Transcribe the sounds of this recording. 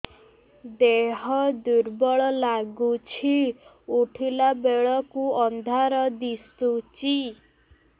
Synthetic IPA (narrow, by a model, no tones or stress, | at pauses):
d̪eɦɔd̪uɾbɔɭɔlaɡut͡ʃʰi | uʈʰilabeɭɔkuɔnd̪ʱaɾɔd̪ist̪ut͡ʃi